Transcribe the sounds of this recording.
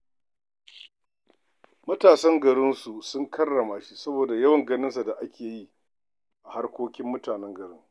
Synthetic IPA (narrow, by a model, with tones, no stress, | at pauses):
mɐ˦taː˨sɐ˦ŋɡɐ˨ɽɪ˦nsu˨sʊ˦ŋkʰɐ˦rːɐ˨maː˨ʃi˦sɐ˦boː˨da˨jɐ˦wɐ˨ŋɡɐ˦nɪ˦nsa˨da˨ʔa˦kʲeː˨ji˦ | ʔa˨ha˦rkʷoː˦kʲɪ˦mːʊ˦taː˨nɛ˦ŋɡɐ˨ɽɪ˦ŋ